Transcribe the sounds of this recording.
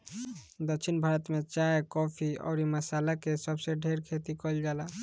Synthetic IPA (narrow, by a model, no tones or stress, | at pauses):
d̪əkt͡ʃʰinbʱaɾət̪met͡ʃaekɔpʰiɔ̰ːɾiməsalakesəbseɖʱeɾkʰet̪ikɔld͡ʒala